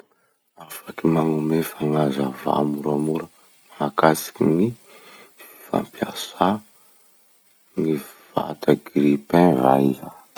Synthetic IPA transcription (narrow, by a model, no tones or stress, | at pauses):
afakimaŋumefanazava̰muɾamuɾə | makasi̥kini | fi̥fa̰mpjasa | niv̥a̰t̪ʰaɡɾipɛ̃va̰ia